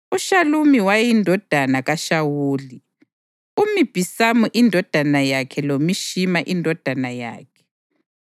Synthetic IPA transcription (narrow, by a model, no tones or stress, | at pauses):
uʃalumiwajindʱɔd̥ʱanaɣaʃawuːli | umib̥ʱisamuʔindʱɔd̥ʱanajakʰɛlomiʃimaʔindʱɔd̥ʱanaja̰ːkʰɛ̥